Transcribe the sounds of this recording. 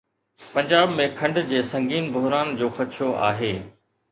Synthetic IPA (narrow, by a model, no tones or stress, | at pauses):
pɐ̃ɲd͡ʑaːbmẽkʰɐ̃ɳɖd͡ʑeːsɐ̃ŋɡiːnbʱʊɦɾaːnd͡ʑoːxɐt̪ʃʰoʔa̰ːɦeː